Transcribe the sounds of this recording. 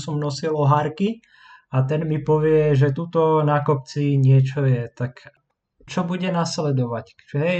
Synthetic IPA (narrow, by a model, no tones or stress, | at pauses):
sɔmnɔsilɔɦaɾki | at̪ɛnmipɔʋɪɛʒɛt̪uːt̪ɔnakɔp̚t͡siɲɪɛt͡ʃɔjɛt̪ak | t͡ʃɔbuɟɛnaslɛd̪ɔʋac | ɦɛ